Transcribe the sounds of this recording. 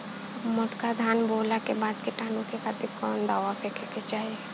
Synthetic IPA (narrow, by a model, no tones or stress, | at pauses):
mʊʈkad̪ʱaːnboːlakebaːd̪kiʈaːnukekat̪ikɔːnd̪aːʋapʰekʰeket͡ʃaːɦie